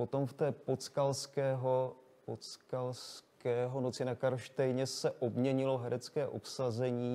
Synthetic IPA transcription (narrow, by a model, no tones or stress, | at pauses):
o̞t̪o̞mft̪ɛːpot͡skalskɛːɦo | pot͡skalskɛːɦo̞not͡sɪnakaɾʃt̪ɛjɲɛsɛʔo̞bmɲɛɲɪlo̞ɦɛɾɛt͡skɛːʔo̞̰psazɛɲiː